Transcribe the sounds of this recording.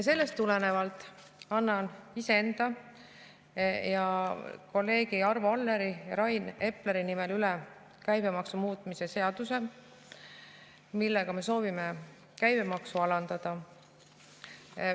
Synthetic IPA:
jɑse̞lːe̞st̪ːulene̞vɑlt̪ːˑ | ɑnːɑniseend̪̥ɑ | jɑko̞lːe̞ːɡ̥iɑrvɑlːe̞ɾijɑɾɑjne̞pleɾinime̞lylɛ | kæjbe̞mɑksumuːt̪ːˑmise̞se̞ɑd̪̥use̞ | milːeɡ̥ɑme̞so̞ːvime | kæjbe̞mɑksuɑlɑnd̪̥ɑd̪̥ɑ

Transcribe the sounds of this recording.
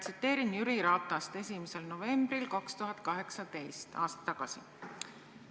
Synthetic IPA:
t̪sit̪ːe̞ːɾinjyɾiɾɑːt̪ːˑɑst̪e̞sʲimese̞lno̞ve̞mbrilkɑkst̪uɦɑt̪̚ˑkɑɦe̞ksɑt̪e̞jst̪ɑːst̪ɑ̥t̪ːɑɡ̥ɑsi

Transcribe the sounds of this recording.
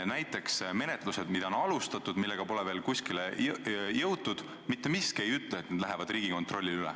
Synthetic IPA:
næjt̪ːˑe̞ksme̞ne̞t̪ˑluse̞d̪̥mid̪̥ɑonɑlust̪ɑt̪ːˑud̪̥milːe̞ɡ̥ɑpo̞lɛve̞ːlkusʲkilejɤwt̪ːˑud̪̥ | mit̪ːe̞miskejyt̪ːˑlet̪ːned̪læɦevɑd̪̥riːɡ̥iko̞nt̪ˑro̞lʲːiylɛ̰

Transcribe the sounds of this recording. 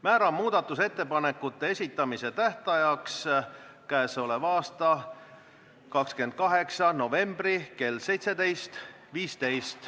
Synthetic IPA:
mæːɾɑmmuːd̪̥ɑt̪ːˑuse̞t̪ːe̞pɑnekːˑut̪ːˑe̞esʲit̪ːˑɑmise̞t̪æht̪ɑjɑks | kæeso̞levɑːst̪ɑ | kɑkskend̪̥̚kɑɦe̞ksɑno̞ve̞mbrike̞lse̞jt̪se̞d̪e̞jst̪ | viːst̪e̞jst̪

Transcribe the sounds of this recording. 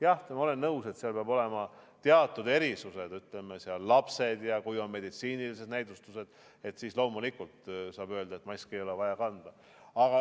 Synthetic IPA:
jɑht̪mɑole̞nːɤwse̞t̪seɑlpeɑbo̞le̞mɑt̪eɑt̪ːˑud̪e̞ɾisuse̞d̪yt̪ˑle̞meseɑlːɑpse̞d̪jɑkujonme̞d̪it̪siːnilise̞d̪̥næjd̪ust̪use̞d̪̥ | e̞t̪siːslo̞ːmulikult̪sɑːb̥ø̞ld̪ɑet̪mɑjskiejo̞le̞vɑjɑkɑnd̪̥ɑ | ɑɡ̥ɑ

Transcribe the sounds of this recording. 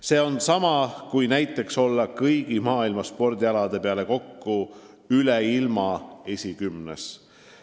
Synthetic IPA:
se̞ːo̞nsɑmɑkujnæjt̪ːˑe̞kso̞lːɑkɤjɡ̥imɑːilmɑspo̞rd̪iɑlɑd̪̥e̞peɑle̞ko̞kːu | yleilmɑe̞sʲikymnes

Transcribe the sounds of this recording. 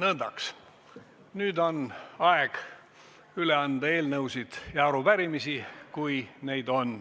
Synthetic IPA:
nɤnd̪̥ɑks | nyːd̪o̞nɑeɡ̥ | yle̞ɑnd̪̥ɑe̞ːlnɤuwsid̪̥jɑɑɾub̥æɾimisikujne̞jd̪o̞n

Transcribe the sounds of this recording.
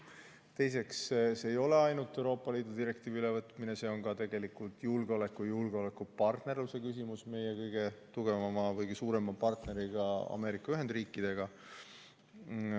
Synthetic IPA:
t̪e̞jse̞ksse̞jo̞le̞ɑjnut̪ːˑe̞uɾo̞ːpːˑɑliːd̪̥ud̪iɾe̞kt̪iːviyle̞vɤt̪mine̞se̞ːo̞nkɑt̪e̞ɡ̥e̞likːˑult̪julɡ̥eo̞le̞kːˑujulɡ̥eo̞lekːˑupɑrt̪ne̞rluse̞kys̬imusme̞jekɤjɡ̥e̞t̪uɡ̥e̞vɑmɑvɤjɡ̥isuːɾe̞mɑpɑrt̪ne̞ɾiɡ̥ɑɑ̰me̞ːɾikːˑɑyɦend̪riːkˑːid̪̥e̞ɡ̥ɑ

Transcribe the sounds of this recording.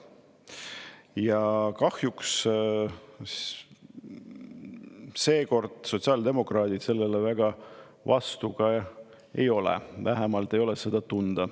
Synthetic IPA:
jɑkɑhjuks | se̞ːko̞rd̪̥so̞t̪ʲsɑːld̪e̞mo̞krɑːd̪̥it̪se̞lːelevæɡ̥ɑ | vɑ̰st̪uɡ̥ɑ | e̞̰jo̞lɛ̰væɦemɑlt̪ːˑe̞jo̞lese̞d̪̥ɑt̪und̪̥ɑ

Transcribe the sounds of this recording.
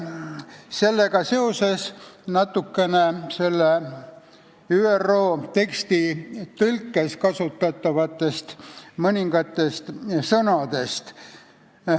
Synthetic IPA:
se̞lːe̞ɡ̥ɑse̞o̞se̞snɑt̪ːˑukːe̞ne̞se̞lːe | yːerːo̞ːt̪e̞kst̪it̪ɤlkːe̞skɑsut̪ːˑɑt̪ˑːɑvɑt̪ːˑe̞st̪mɤnʲiŋɡɑt̪ːˑe̞st̪sɤnɑd̪̥e̞st̪

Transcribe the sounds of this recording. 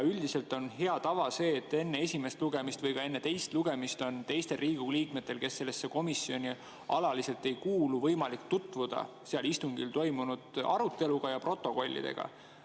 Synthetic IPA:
yld̪ise̞lt̪ˑo̞nɦe̞ɑt̪ɑvɑse̞ːt̪ːe̞nːee̞sʲime̞st̪luɡe̞mist̪vɤjkɑe̞nːe̞t̪e̞jst̪luɡe̞mist̪o̞nt̪e̞jst̪e̞lriːɡ̥uliːk̚me̞t̪ːˑe̞lke̞sːe̞lːe̞sːe̞ko̞misːio̞nʲi | ɑlɑlise̞lt̪ːe̞jkuːluvɤjmɑlikt̪ut̪ːˑvud̪̥ɑ̰ | seɑlist̪uŋɡilt̪o̞jmunud̪̥ɑ̰ɾut̪ːˑe̞luɡ̥ɑjɑpro̞t̪ːˑo̞ko̞lʲːḭd̪e̞̰ɡ̥ɑ̰

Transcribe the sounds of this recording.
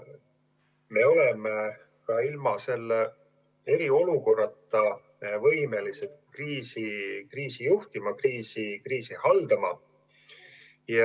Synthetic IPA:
me̞o̞le̞me | kɑilmɑse̞lːe | e̞ɾio̞luko̞rːɑt̪ːˑɑ | vɤ̞jme̞liset̪kriːsikriːsijuht̪imɑkriːsikriːsihɑld̪̥ɑmɑ̰ | jɑ

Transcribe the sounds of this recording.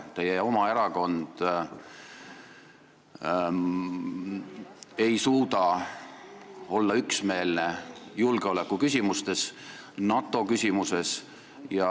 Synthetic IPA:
t̪e̞jːeo̞mɑe̞ɾɑko̞nd̪̥ | e̞jsuːd̪ɑ | o̞lːɑyksme̞ːlne̞julɡ̥eo̞lekːukys̬ʲimust̪e̞s | nɑt̪ːˑo̞kysʲimuse̞s | jɑ

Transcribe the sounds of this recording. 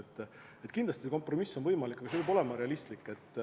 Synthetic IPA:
t̪ːˑ | et̪kind̪lɑst̪iseko̞mpro̞misːo̞nvɤjmɑlikːˑɑɡ̥ɑseebo̞lemɑɾe̞ɑlist̪likːˑe̞t̪ːˑ

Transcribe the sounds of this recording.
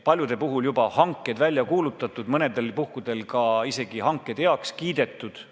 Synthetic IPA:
pɑlʲjud̪̥e̞puɦuljubɑhɑŋkːˑe̞d̪vælʲːjɑkuːlut̪ːˑɑt̪ːˑud̪̥mɤne̞d̪e̞lpuhkud̪̥e̞lkɑise̞ɡ̥ihɑŋkːˑe̞d̪eɑkskiːd̪̥e̞t̪ːˑud̪̥

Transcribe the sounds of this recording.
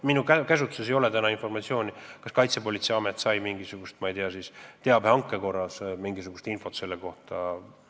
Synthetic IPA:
minukækæsut̪suse̞jo̞let̪ænɑinfo̞rmɑt̪sio̞ːnʲikɑskɑjt̪sepo̞lit̪seɑmet̪ːˑsɑjmiŋɡisuɡ̥ust̪mɑeijt̪eɑsist̪eɑb̥hɑŋkːˑe̞ko̞rːɑsmiŋɡisuɡ̥ust̪info̞t̪se̞lːeko̞ht̪ɑ

